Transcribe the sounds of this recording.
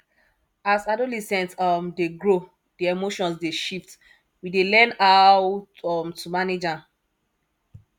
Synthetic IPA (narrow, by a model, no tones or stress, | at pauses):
asadolisɛ̃ntɔmdeɡɹo | d̥iemoʃɔ̃nsdeʃift | widelɛ̃nawtɔmtːumaned͡ʒa